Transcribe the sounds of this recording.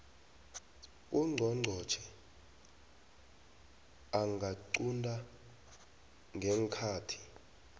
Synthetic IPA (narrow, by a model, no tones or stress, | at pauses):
uŋ͡ǀʱɔŋ͡ǀʱɔ̥t͡ʃʰɛ | aŋɡʱaǀundʱʼa | ŋɡʱɛŋkʰaːtʰi̥